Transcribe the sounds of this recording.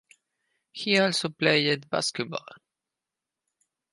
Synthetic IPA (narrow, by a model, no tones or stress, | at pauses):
hiɔlsɔpʰleɪɪd̪ba̰skət̪̚bɔ̰l